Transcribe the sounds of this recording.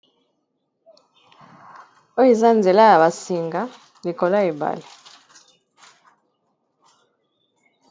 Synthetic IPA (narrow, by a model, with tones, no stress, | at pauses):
o˦i˨za˦nd͡zɛ˨la˦ja˨βa˨si˨ŋɡa˦ | li˨kɔ˨la˦i˨ba̰˨lɛ˨